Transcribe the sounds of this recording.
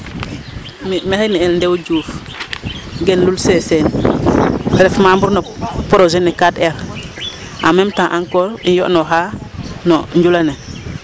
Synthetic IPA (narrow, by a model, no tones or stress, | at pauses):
mmexenielndewɟuːf | ɡenlulsesen | ɾefmambuɾnopoɾozenːekatel | ʔa̰memtãʔaŋkoːɾḭjo̰ʔnoɦanoɲɟulane